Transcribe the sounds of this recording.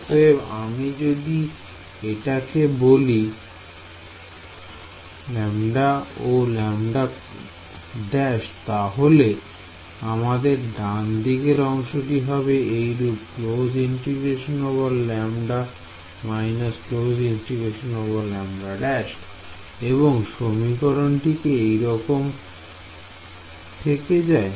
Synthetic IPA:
sebamid͡ʑod̪i | eʈakeboli | lɛmɖaolɛmɖa | ɖɛʃt̪aɦole | amad̪eɾɖand̪ikeɾɔŋʃoʈiɦɔbeejɾupklod͡ʑinʈiɡeʃonobolːɛmɖa | majnasklod͡ʑinsʈiɡeʃonobolːɛmɖaɖɛʃ | eβoŋʃomikɔɾonʈikeejɾɔkom | t̪ʰeked͡ʑae

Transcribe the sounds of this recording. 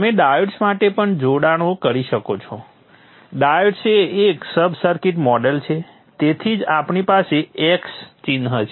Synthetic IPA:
meɖaəɖsmaʈepəɳd͡ʒoɽaɽ̃õkəɾiʃəkot͡ʃʰo | ɖaəɖseːksəbʱsəɾkiʈmɔɖelt͡ʃʰe | t̪et̪ʰid͡ʒapɳipaseekst͡ʃinɦət͡ʃ

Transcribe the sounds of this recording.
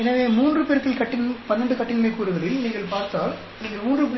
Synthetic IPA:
ɛnɐʋeːmuːndrɯpeːɾkɐɭkɐʈːɪnpɐnːɐɳɖɯkɐʈːɪnmeːkuːɾɯɣɐlɪlniːŋɡɐɭpaːɾt̪aːl | niːŋɡɐɭmuːndrɯp

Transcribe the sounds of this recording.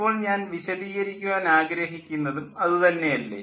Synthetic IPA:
oːɭɲaːnʋiɕɐðiːɣɐɾikʲːuɣaːnaːɡɾɐɦikʲːunːɐðumɐðɨt̪ɐnːe̞jɐlːḛ

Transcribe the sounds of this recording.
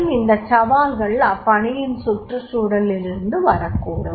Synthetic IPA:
mɪnd̪ɐt͡ʃɐʋaːlɣɐɭɐpːɐɳɪjɪnsʊʈrɐsuːɽɐlɪɾɯnd̪ɯʋɐɾɐkːuːɽɐ

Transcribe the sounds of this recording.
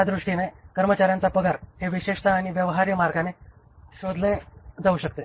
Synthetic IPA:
ad̪ɾuʂʈinekəɾmət͡ɕaɾjant͡sapəɡaɾheʋiɕeʂt̪aːɽ̃iʋjəʋɦaɾjəmaɾɡʱane | ɕod̪ʱled͡zauɕək̚t̪e

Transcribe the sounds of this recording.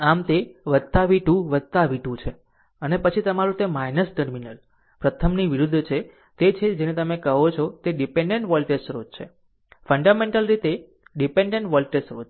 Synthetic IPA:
amt̪eʋəd̪t̪aʋiʈũʋəd̪t̪aʋiʈũt͡ʃʰe | ənepət͡ʃʰit̪əmaɾũt̪emainəsʈəɾminəl | pɾət̪ʰəmniʋiɾud̪ʱːt͡ʃʰe | t̪et͡ʃʰed͡ʒenet̪əmekəɦot͡ʃʰot̪eɖipeɳɖeɳʈʋɔlʈesɾod͡ʒt͡ʃʰḛ | fəɳɖamẽɳʈəlɾit̪e | ɖipẽɳɖeɳʈʋɔlʈesɾod͡ʒ

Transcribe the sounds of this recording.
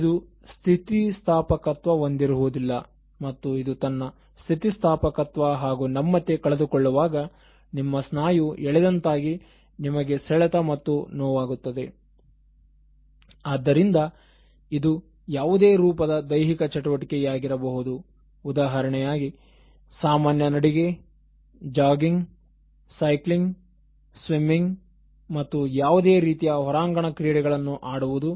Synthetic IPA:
d̪u | st̪ʰit̪ist̪ʰaːpɐkɐt̪ʋɐond̪iɾuɦuud̪ilːɐ | mɐt̪ːuid̪ut̪ɐnːɐ | st̪ʰit̪ist̪ʰaːpɐkɐt̪ʋɐɦaːɡunɐmːɐt̪ːekɐɭed̪ukɔɭːuʋaːɡɐ | nimːɐsnaːjuɛɭɛd̪ɐnt̪aːɡi | nimɐɡe̞sɛɭɐt̪ɐmɐt̪ːunɔːʋaːɡut̪ːɐd̪e̞ | aːd̪ːɐɾind̪ɐ | id̪u | jaːʋud̪e̞ːɾuːpɐd̪ɐd̪ɐjɦikɐt͡ʃɐʈuʋɐʈikejaːɡiɾɐbɐɦud̪uː | d̪aːɦɐɾɐɳɛjaːɡi | saːmaːnjɐnɐɽiɡe̞ | d͡ʒaːɡiŋɡ | sɐjkliŋɡ | sʋimːiŋɡ | mɐt̪ːujaːʋud̪e̞ːɾiːt̪ijɐɦɔɾaːŋɡɐɳɐkɾiːɽɛɡɐɭɐnːuʔaːɽuʋud̪u

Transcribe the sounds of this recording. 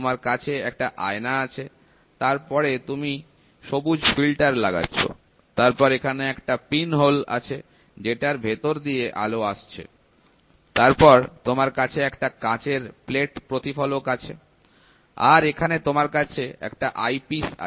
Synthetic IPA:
maɾkat͡ɕʰeɛk̚ʈaʔa̰enaat͡ɕʰe | t̪aɾpɔɾet̪umi | ʃobud͡ʑfilʈaɾlaɡa̰tːɕʰo̰ | t̪aɾpɔɾekʰaneɛkʈapinɦola̰t͡ɕʰe | d͡ʑeʈaɾbʱet̪oɾd̪ieʔa̰loaʃt͡ɕʰḛ | t̪aɾpɔɾt̪omaɾkat͡ɕʰeɛkʈakãt͡ɕeɾpleʈpɾot̪ifɔlokat͡ɕʰe | a̰ɾekʰanet̪omaɾkat͡ɕʰeɛ̰kʈaʔajpisa̰

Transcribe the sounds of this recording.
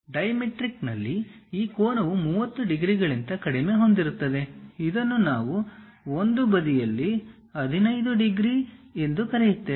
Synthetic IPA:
ɖɐjɐmeʈɾiknɐ̰lːiiːkoːnɐʋumuːʋɐt̪ːuɖiɡɾiɡɐɭint̪ɐkɐɽime̞ːɦo̞nd̪iɾut̪ːɐd̪e̞id̪ɐnːunaːʋu | o̞nd̪ubɐd̪ijɐlːi | ɐd̪ʱinɐjd̪uɖiɡɾie̞nd̪ukɐɾejut̪ːe

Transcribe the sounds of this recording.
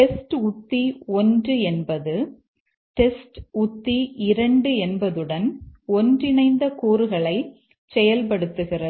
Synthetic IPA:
ʈɛsʈʊt̪ːiɔndrɯɛnbɐðɯ | ʈɛsʈʊt̪ːiɪɾɐɳɖɯɛnbɐðɯɽɐnɔndrɪnɐɪnd̪ɐkuːɾɯɣɐɭɐɪ | sɛjɐlp̬ɐɽɯt̪ːɯɣɪrɐðɯ

